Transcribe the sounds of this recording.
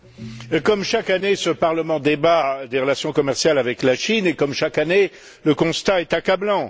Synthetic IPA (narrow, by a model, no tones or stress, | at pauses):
kɔmʃakanesəpaʁləmɑ̃d̪ebad̪eʁəlasjɔ̃kɔmɛʁsjalavɛklaʃinekɔmʃakane | ləkɔ̃st̪aɛt̪akablɑ̃